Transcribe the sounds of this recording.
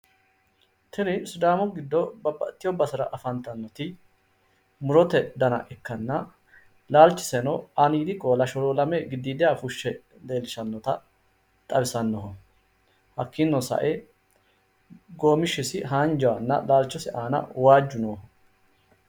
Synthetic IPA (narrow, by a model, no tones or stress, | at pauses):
t̪ʰɛnɪsʊd̪aːmɔɡɪd̪ːɔbɐbːɐt̪ːɪjɔbɐsɐɾɐʔfɐnt̪ɐnːɔt̪ɪ | mʊɾɔt̪ɛd̪ɐnɐ̰ʔɛkːɐnːɐ | laːlt͡ʃːɪ̥sɛnɔɐniːd̪ɪkʼoːlɐʃɔɾolɐmɛɡɪd̪ːiːd̪ɛjafʊʃːɛ | d̪e̞ːlɪʃɐnːɔt̪ɐ | t̪ʼɐbɪsɐnːɔɦɔ | hɐkːɪnːɔsɐ̰ʔe | ɡo̞ːmɪʃːɪsɪɦaːnd͡ʒɐwɐnːɐ̰laːlt͡ʃːɔsɛʔaːnɐ̰waːd͡ʒːʊnɔhɔ